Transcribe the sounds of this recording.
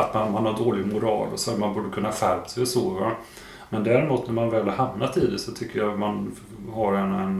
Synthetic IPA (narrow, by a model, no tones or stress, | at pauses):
at̪manmanhaɖoːlɪɡmʊɾɑ̰ːlɔ̰sɔat̪manbuːɖəkʰɵnːafæɾpsɛjɔsoːva | mɛnd̪æɾɛmuːt̪næɾmanvɛːlhaɾhamnat̪ɪd̪ɛsɔt̪ʰʏkːəjaman | haɾɛnɛn